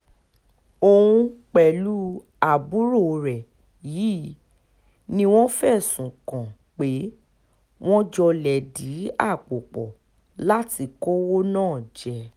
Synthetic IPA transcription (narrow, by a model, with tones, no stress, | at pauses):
o˧wũ˧k͡pɛ˨lu˦ | a˨bu˨˦ɾo˦˨˧ɾɛ˨ | ji˨˦ | nĩ˧w̃ɔ̃˦fɛ˦˨sũ˨kã˨ | k͡pe˨˦ | w̃ɔ̃˦d͡ʒɔ˧lɛ˨di˨˦a˦˨k͡po˨k͡pɔ˨ | la˦ti˧kɔ˦wo˦nãː˦˨d͡ʒɛ˧